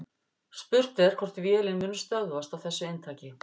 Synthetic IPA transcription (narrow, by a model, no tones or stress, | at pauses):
spʏɾ̥t̪ɛɾ̥kʰvɔr̥t̪vjɛːlɪnmʏːnːʏst̪œɣvast̪avθɛsːʏent̪ʰaːcɪ